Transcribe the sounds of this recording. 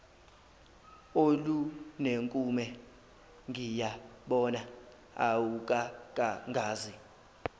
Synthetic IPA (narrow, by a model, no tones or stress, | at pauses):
oluneŋkʼumɛ | ŋɡʱijaɓɔna | a̰wukʼakʼaŋɡʱaːzi